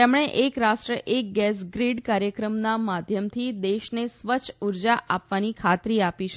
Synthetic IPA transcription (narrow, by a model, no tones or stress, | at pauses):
emɽ̃eʔekɾasʈɾəʔek̚ɡɛs̬ɡɾiɖkaɾjəkɾəmnamad̪ʱjəmt̪ʰid̪eʃnesʋət͡ʃʰuɾd͡ʒaʔapʋanikʰat̪ɾiapiʃ